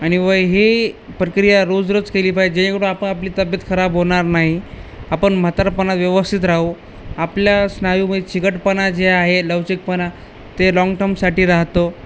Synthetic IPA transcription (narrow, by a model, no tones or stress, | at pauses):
aɽ̃iʋəjɦepɾəkɾijaɾod͡zɾət͡skeliːpajd͡ʑẽĩkəɽõapəɳapliːt̪əbjət̪kʰəɾabɦoɳ̃aɾnaɦiapəɳm̤ət̪aɾpənat̪ʋjəʋəst̪ʰit̪ɾaɦu | apljasnaʋiməd̪ʱet͡ɕʰiɡəʈpənad͡ʑeaɦeləʋt͡ɕik̚pəna | t̪elɔ̃ŋɡʈəɾmsaʈiːɾaɦt̪o